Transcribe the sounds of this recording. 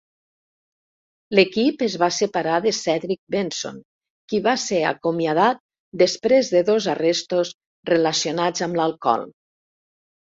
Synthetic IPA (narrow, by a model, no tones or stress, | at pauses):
lekipəzβasepaɾaðəsɛðɾik̚benso̰ŋ | kiβasea̰komiað̞at̪̚ | d̪espɾezðəðozarest̪os | relasjonad͡zamlalˠkɔ̰lˠ